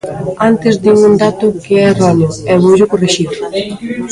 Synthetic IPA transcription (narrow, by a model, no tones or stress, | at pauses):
ant̪ɪzd̪iŋund̪at̪ʊkeɛraneoɛβoʎʊkoreʃiðʊ